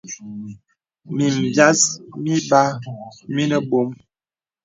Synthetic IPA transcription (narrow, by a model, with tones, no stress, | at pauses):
mi˨m˨bja˦smi˦ba˦mi˦nə˦bo˦m